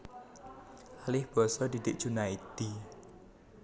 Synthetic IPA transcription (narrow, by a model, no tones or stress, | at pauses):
ʔalɪhb̥ɔ̤sɔd̪id̥̪ɪk̚d̥ʒ̥unait̪i